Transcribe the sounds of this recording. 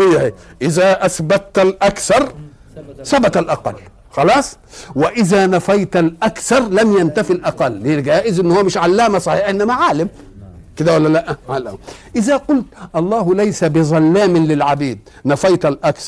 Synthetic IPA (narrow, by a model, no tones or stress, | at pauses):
ɪjːaheːʔɪzaʔasbat̪t̪alʔakθɑɾˤ | sabat̪alʔɑqɑ̰lː | xɑlɑːsˤ | wɪʔɪzaːnafajt̪alʔakθɑɾˤlamjant̪afɪlʔɑqɑlːeɡæːʔɪzʔɪnːhʊwːæmɪʃʕalːaːmasˤɑħiːħaʔɪnːæmaʕaːlɪm | kɪd̪æwalːælaʔʕala̰ʔɪzaqʊlt̪ʔɑlˤːɑːhlajsabɪzˤɑlːaːmɪlɪlʕabiːd̪̚ | nafajt̪alʔakθɾˤ